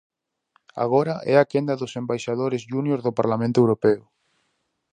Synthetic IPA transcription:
a̰ɣ̞oɾɐʔɛakend̪ɐðʊsembajʃaðoɾɪzʒunjoɾðʊpaɾlamẽnt̪ʊewɾopɛʊ

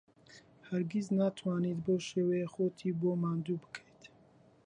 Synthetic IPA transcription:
həɾɡiznaːt̪ʰwaːniːt̪boʃeːwɛjexoːt̪ʰiːboːmaːnd̪ubɨ̥kʰejt̪ʰ

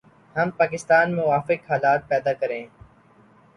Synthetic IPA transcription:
hɐmpaːkɪst̪aːnmʊʋaːfɪkɦaːlaːt̪̚pɛːd̪aːkəɾẽː

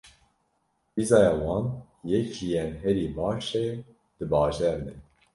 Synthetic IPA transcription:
bizɑːjɑːwɑːn | jɛkijɛnɦɛɾiːbɑːʃe | d̪̥ɨbɑːʒɛɾd̪ɛ

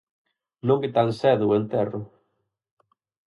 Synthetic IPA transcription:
nõŋkɪt̪alsɛðʊent̪ɛrʊ

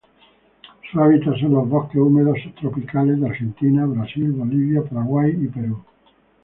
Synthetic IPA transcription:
saβit̪asenloβɔkːeumeðost̪ɾopikaled̪aɾʒent̪inaβɾasilboliβjapaɾaɣwajipeɾu

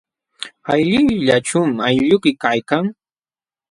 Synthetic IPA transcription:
ajʎɪwʎat͡ʃʊmajʎʊkɪkajkaŋ

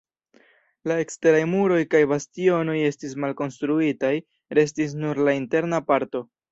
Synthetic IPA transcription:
lae̞kste̞ɾajmuɾo̞jkajbastio̞no̞je̞stis̬malko̞nstɾuitaj | ɾe̞s̬tis̬nuɾlainte̞ɾnapaɾto̞

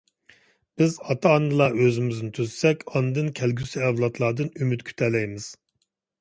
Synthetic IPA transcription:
b̥ɪzɑt̪ʰɑːnːɨlˠɑøzɪmɪznɪt̪ʰyzsɛkʲɑnɨd̪ɨnkʲʰɛlɡʲysyɛwlˠɑt̪ʰlˠɑːd̪ɨnymyt̪kʲʰy̥t̪ʰɛlːɛjmɪz̥

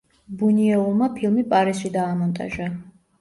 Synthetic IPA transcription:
buniɛulˠmapʰilˠmipʼaɾisʃid̪aːmɔnt̪ʼa̰ʒa

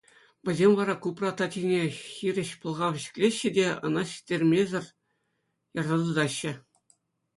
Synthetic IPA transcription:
ʋʲɘ̆zʲemʲʋɑɾɑkuprɑt̪ɑt̪ʲinʲexʲirʲɘ̆ɕpɤ̆lˠʁɑʋʲɘ̆ɕɘ̥̆kʲlʲeɕːɘ̆dʲeɤ̰̆nɑɕi̥tʲːerʲmʲezʲɘ̆rʲ | jɑrnɑd̪ɤd̪ɑɕːɘ̆

